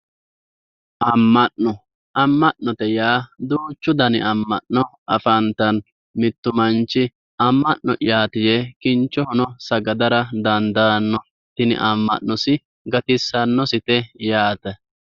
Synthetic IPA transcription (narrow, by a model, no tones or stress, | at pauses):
ʔɐmːɐʔnːɔ | ʔɐmːɐʔːɔt̪ɛjaːd̪uːt͡ʃːʊd̪ɐnɪʔɐmːɐʔnɔʔɐfɐnt̪ɐn | mɪt̪ːʊmɐnt͡ʃːɪ | ɐmːɐʔnɔ̰ʔɪjaːt̪ɪjɛkɪnt͡ʃːɔhʊnɔsɐɡɐd̪ɐɾɐd̪ɐnd̪ɐnːɔ | t̪ɪnɪ̰ʔɐmːɐ̰ʔnɔsɪ | ɡɐt̪ɪsːɐnːɔsɪt̪ɛjaːt̪ɛ